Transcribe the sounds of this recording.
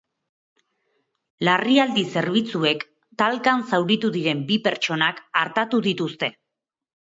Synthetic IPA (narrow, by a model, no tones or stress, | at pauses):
lariald̪ise̞ɾβ̞it͡sue̞k | t̪alkansawɾit̪uðiɾe̞mbipe̞ɾt͡ʃo̞nakaɾt̪at̪uðit̪ust̪e̞